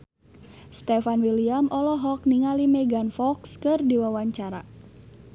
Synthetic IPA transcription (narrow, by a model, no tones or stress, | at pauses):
st̪ɛfanwiliamɔlɔɦɔk̚niŋalimɛɡanfɔkskɨrdiwawaɲt͡ʃaɾa̰